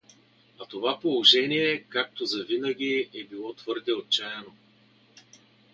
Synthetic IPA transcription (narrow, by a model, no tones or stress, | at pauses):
ɐt̪ovapolˠoʒɛnʲiɛkak̚t̪ozɐvinəɡʲiɛbilˠɔt̪v̥ɤɾd̪ɛot̪̚t͡ʃajɛno